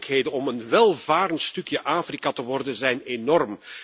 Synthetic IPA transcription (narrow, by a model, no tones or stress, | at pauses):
kɦeːdənɔmənʋɛlˠvaːɾəntstɵkjəʔaːfrikatəʋɔrdənzɛjnenɔrm